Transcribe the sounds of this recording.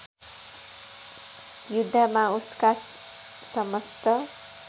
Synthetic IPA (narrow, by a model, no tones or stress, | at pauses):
jud̪ʱːamauska | sʌmʌst̪ʌ